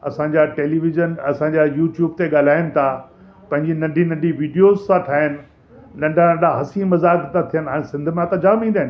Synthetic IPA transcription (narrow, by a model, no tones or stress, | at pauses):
ɐ̰sãɲd͡ʑaʈeːliʋɪzənɐsãɲd͡ʑajuːʈjuːbt̪eɠaːl̤aːɪnɪ̆t̪ʰa | pɐ̃ɦɪ̃ɲd͡ʑinɐ̃ɳɖʱinɐ̃ɳɖʱiʋiːɖijoːzsãʈʰaːɦənɪ̆ | nɐ̃ɳɖʱãnɐ̃ɳɖʱaɦɐsimɐzaːkt̪ãt̪ʰijənɪɦaːɽ̃sɪ̃nd̪ʱmẽat̪ãd͡ʑaːmĩd̪ɐɦɪnɪ